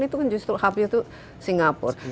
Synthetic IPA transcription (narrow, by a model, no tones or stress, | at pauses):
nit̪ukand͡ʒust̪ɾuhabit̪u | siŋɡapʊ̰r